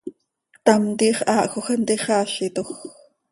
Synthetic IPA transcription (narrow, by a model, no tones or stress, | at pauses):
t̪ɑmt̪iːχʔɑːʔxoxənt̪iχɑːɬit̪ox